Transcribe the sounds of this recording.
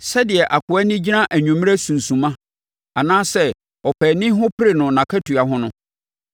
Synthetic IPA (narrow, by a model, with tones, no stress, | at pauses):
sɛ˦dɪ˨ɛ˨ʔa˨kʰʊ˨ɛ˦nɪ̃˦d͡ʑi˦nã˦ʔæ˨ɲᶣũ˨m̃˦ɾæ˦sũ˨n̩˨sũ˨mã˦ | a˨nãː˦sɛ˦ | ɔ˨pʰɛ˨nɪ̃˦ɦʊ̃˦pʰɪ˦ɾe˨nʊ̃˨nã˨kʰa˦tʰu˨a˨ɦʊ̃˦nʊ̃˦